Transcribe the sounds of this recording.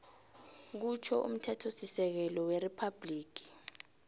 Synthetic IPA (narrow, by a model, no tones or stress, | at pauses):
k̬ut͡ʃʰɔʔṵm̩tʰɛtʰosisɛk̬ɛlɔweripʰab̥liːk̬ʰi̥